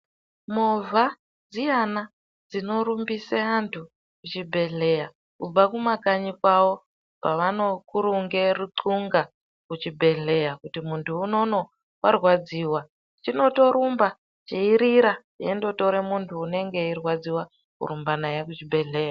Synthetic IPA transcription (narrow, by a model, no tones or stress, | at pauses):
movʱa | d͡zijana | d͡zino̞ɾumbiseantʰu | kut͡ʃibʱe̞ɮe̞ja | kub͡vakumakaɲikwawo̞ | paʋano̞kuɾuŋɡeruǃuŋɡa | kut͡ʃibʱe̞ɮe̞jakutimuntʰuːno̞no̞ | wʔarwad͡ziːwa | t͡ʃino̞to̞ɾumba | t͡ʃiiɾiɾa | jendo̞toɾemuntʰuːne̞ŋɡe̞irwad͡ziwa | kṵɾumbanajekut͡ʃibʱe̞ɮe̞ːja